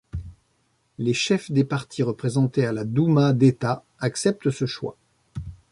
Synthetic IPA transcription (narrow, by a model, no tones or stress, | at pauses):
leʃɛfd̪epaʁt̪ʰiʁəpχezɑ̃t̪ealad̪umad̪et̪a | aksɛp̚t̪əsəʃwa̰